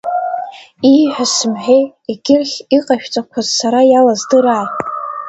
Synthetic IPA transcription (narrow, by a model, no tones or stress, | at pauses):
iħʷᶣasɨmħᶣej | iɡʲɪrχʲiqʼaʃᶣt͡sʼakʷʰazsaɾajalazdɨɾaː